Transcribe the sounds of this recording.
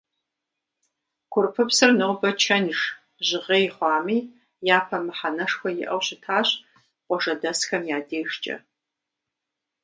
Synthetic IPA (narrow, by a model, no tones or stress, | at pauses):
kʷʰʊrpʰɨpsɨrnɨwbɐt͡ʃʰɐnʂ | ʑɪʁeːjχʷɑːmiː | jaːpʰɐmɨħanɐʂxʷɔjɪ̰ʔɐ̰wɕɪtʰaːɕ | qʷɔʒɐdɐsxɐmjaːdeːʂt͡ʃʼɐ̰